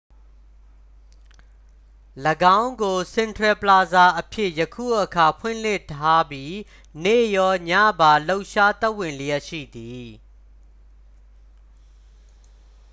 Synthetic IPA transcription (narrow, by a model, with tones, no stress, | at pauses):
ləɡã˦ʊ̃ŋɡo˨sɪ̃˨ntʰwɛ˨pla˨za˨ʔəpʰjɪ˦ʔjəkʰṵ˦˨ʔəkʰa˨pʰwɪ̰̃˦˨l̥ɪ˦˨tʰa˦bji˦ | nḛ˦˨jɔ˦ɲa̰˦˨ba˨lo˦ʊʔʃa˦t̪ɛ˦ʔwɪ̃˨lə˨jɛ˦ʔʃḭ˦˨d̪i˨